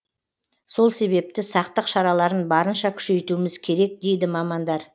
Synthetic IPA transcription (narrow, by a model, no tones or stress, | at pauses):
so̞lˠse̞βe̞p̚t̪ɪsɑqt̪əqʃɑɾɑlˠɑɾənbɑɾənʃɑkʲʰʏ̥ʃe̞jt̪uɪmɪzkʲʰe̞ɾe̞k̚d̪e̞jd̪ɪmɑmɑnd̪ɑɾ